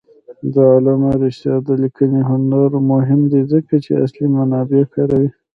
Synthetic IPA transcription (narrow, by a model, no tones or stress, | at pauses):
d̪əɑlanaɾɪʃt̪jɑd̪əlikəniɦʊndaɾmʊɦɪmd̪izəkat͡ʃea̰slimanɑbekɑɾawi